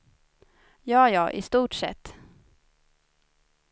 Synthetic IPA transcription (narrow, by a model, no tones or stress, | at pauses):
jɑːjɑːʔɪst̪uːʈʂɛ̰t̪ː